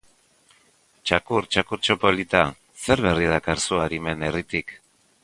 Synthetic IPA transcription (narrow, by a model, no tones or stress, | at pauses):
t͡ʃakuɾt͡ʃakuɾt͡ʃo̞po̞lit̪a | se̞ɾβe̞rið̞akaɾsuaɾime̞ne̞rit̪ik